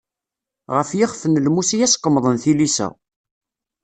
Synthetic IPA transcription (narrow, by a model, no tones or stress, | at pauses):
ʁəfjɪχfənəlmusijæsqːəmðˤənθilisæ̰